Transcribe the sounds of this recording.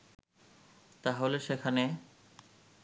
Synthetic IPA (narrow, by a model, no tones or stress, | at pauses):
t̪aɦoleʃekʰane